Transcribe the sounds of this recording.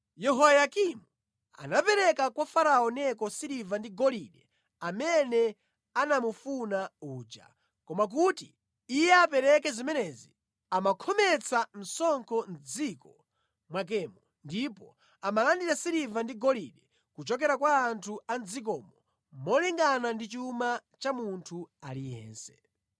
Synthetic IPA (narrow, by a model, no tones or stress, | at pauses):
jɛɦɔajakimu | a̰napɛɾɛkakwafaɾaɔnɛkɔsiɾivandiɡɔliɗɛ | amɛnɛ | anamufunauːt͡ʃa̰ | kɔmak̬utiː | jɛapɛɾɛkɛzimɛnɛzi | amakʰɔmɛt͡sʰan̩sɔŋkʰɔnd͡zikɔ | mwak̬ɛːmɔ | ndipɔ | amalandiɾasiɾivandiɡɔliɗɛ | kut͡ʃɔk̬ɛɾakwaːntʰuand͡zik̬ɔːmɔ | mɔliŋɡanandit͡ʃumat͡ʃamuntʰualijɛ̰ːnsɛ̥̰